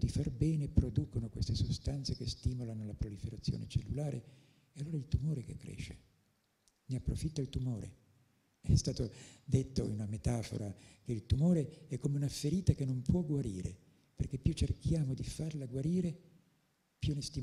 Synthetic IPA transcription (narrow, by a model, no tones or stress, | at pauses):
d̪ifarbɛːnepɾod̪uːkonokwest̪esost̪ant̪sekest̪iːmolanolapɾolifeɾat̪sːjo̰ːnet͡ʃelːulaːɾʔe | ealːoːɾailt̪umoːɾekekːɾɛ̰ːʃːe̥ | neapːɾofit̪ːailt̪umoːɾḛ | ɛst̪aːt̪od̪et̪ːoinunamet̪aːfo̰ɾakeilt̪umoːɾeɛkːomeunafːeɾiːt̪akenːompwɔɡwaɾiːɾḛ | perkepːjut͡ʃːerkjaːmod̪ifarlaɡwaɾiːɾe | pjunest̪i